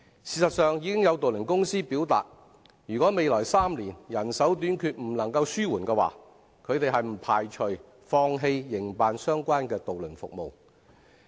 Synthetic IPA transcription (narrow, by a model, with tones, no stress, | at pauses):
siː˨˩sɐ˨t̚sœː˨ŋjiː˨˥kɪ˥ŋjɐ˨˧wt̪o˨wlɵ˨˩nkʊ˥ŋsiː˥piː˨˥wt̪a̰ː˨t̚ | jyː˨kwɔː˨˥me˨jlɔː˨˩jsaː˥mliː˨˩njɐ˨˩nsɐ˨˥wt̪̬yː˨˥nkʰyː˧t̚m̩˨˩lɐ˨˩ŋkɐ˧wsyː˥wuː˨˩nkɛː˧wa̰ː˨˩ | kʰɵ˨˧t̪e˨jɦɐ˨jm̩˨˩pʰaː˨˩jt͡ʃʰɵ˨˩ | fɔː˧ŋɦe˧jːɪ˨˩ŋpaː˨nsœː˥ŋkʷwaː˥nkɛː˧t̪o˨wlɵ˨˩nfʊ˨k̚mo˨w